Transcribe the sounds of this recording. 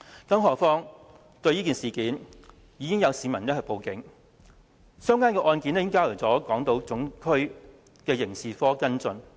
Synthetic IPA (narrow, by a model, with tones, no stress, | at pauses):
kɐ˨˥mɦɔː˨kfɔː˥ŋ | t̪ɵ˧ɥjiː˥ki˨nsiː˨˩kiː˨˥n | jiː˨˧kɪ˥ŋjɐ˨˧wsiː˨˧mɐ˨˩nɛː˥kʰɐ˨˩po˨˧wkɪ˨˥ŋ | sœː˥ŋkaː˥nkɛː˧ʔɔː˧nkiː˨˥nɛ˥ŋkaː˥lə˨˩wt͡sɔː˨˥kɔː˨˥ŋt̪o˨˥wt͡sʊ˨˥ŋkʰɵ˥ɥ | kɛː˧jɪ˨˩ŋsiː˨fɔː˥kɐ˥nt͡sɵ˧n